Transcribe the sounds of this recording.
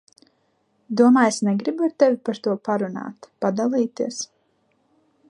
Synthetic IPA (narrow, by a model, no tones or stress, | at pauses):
d̪uɔmaːjsnɛɡɾibuaɾt̪ɛvʲipaɾt̪uɔpaɾuna̰ːt̪pad̪alˠiːt̪iəs